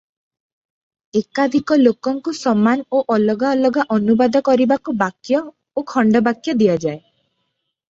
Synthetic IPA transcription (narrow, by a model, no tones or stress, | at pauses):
ekad̪ʱikɔlokɔŋkusɔmanoʔɔlɔɡaɔlɔɡaʔɔnubad̪ɔkɔɾibakubakjɔ | okʰɔɳɖɔbakjɔd̪iad͡ʒae